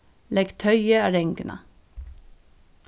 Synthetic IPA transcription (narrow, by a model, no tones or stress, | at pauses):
lɛɡt̪ʰœʏəɑːɾɛŋɡənɑ̰